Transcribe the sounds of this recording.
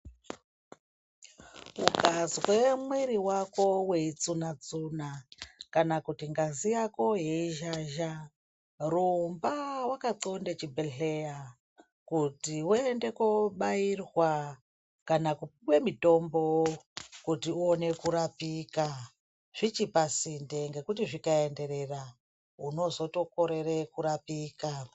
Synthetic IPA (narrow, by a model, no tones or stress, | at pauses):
kṵkaziɣwe̞mwiɾiwako̞we̞it͡sunat͡sunakanakutiŋɡazijako̞ɦeiʒaʒa | rumbawakaǃo̞ndet͡ʃibeɬe̞ja | kutiwuende̞koɓairwa | kanakupwe̞mito̞mbokutiuone̞kuɾapika | ʐ̥it͡ʃipasindeŋɡe̞kutiʐikae̞nde̞ɾe̞ra | uno̞zo̞to̞ko̞ɾe̞rekuɾapiːka